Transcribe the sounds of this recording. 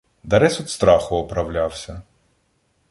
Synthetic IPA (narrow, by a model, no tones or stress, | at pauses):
d̪ɐɾɛsʲɔt̪st̪ɾɑxʊɔpɾɐwlʲawsʲɐ